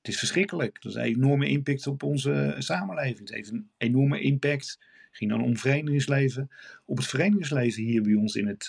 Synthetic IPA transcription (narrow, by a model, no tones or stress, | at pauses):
ətɪsfəɹsχrɪkələkdəsənḛnɔɹməʔɪmpɛk̚tɔpɔnzəsaːməlejvɪŋsḛjftənejnɔɹməʔɪmpɛkt | χɪŋdɑnɔ̰mvərejndəχɪŋslejvəɔpətfərejndəɪŋs̬lejvənɦiːɹbɛjɔnsɪnət